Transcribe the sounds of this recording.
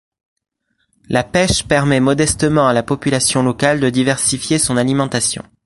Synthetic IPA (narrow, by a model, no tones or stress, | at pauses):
lapɛʃpɛʁmɛmɔd̪ɛst̪əmɑ̃alapɔpylasjɔ̃lɔkald̪əd̪ivɛʁsifjesɔ̃nalimɑ̃t̪asjɔ̰̃